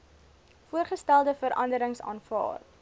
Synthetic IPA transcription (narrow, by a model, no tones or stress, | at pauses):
fuərχəstælˠdəfəɾɐ̰ndəɾəŋsɑ̰ːnfɑ̰ːr